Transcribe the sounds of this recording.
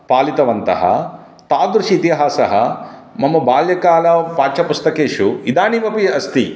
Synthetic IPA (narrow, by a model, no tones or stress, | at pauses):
paːlit̪ɐʋɐnt̪ɐ̰ɦɐ̰ | t̪aːd̪ɾuʂiːt̪iɦaːsɐɦɐ̰mɐmːɐbaːljɐkaːlɐpaːt͡ʃɐpust̪ɐkeːʂuid̪aːniʋɐpiɐst̪i